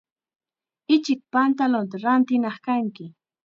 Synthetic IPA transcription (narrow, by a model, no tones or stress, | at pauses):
ɪt͡ʃɪk̚pant̪alont̪̬aɾant̪ɪnɑχkaŋkɪ